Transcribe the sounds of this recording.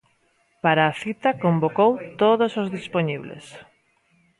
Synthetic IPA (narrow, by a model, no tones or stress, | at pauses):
paɾaːθit̪ɐkombokowt̪oðosozðispoɲiβlḛs